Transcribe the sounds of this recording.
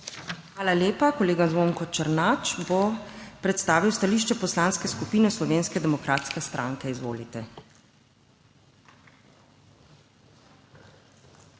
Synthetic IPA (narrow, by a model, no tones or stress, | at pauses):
xʋaːlaljeːpakɔleːɡazʋoŋkɔt͡ʃəɾnaːt͡ʃbopɾɛt̪st̪aːʋiwst̪aliːʃt͡ʃɛpɔslaːnskɛskupiːnɛslɔʋeːnskɛd̪ɛmɔkɾaːt̪skɛst̪ɾʔa̰ːŋkɛizʋo̰ːlit̪ɛ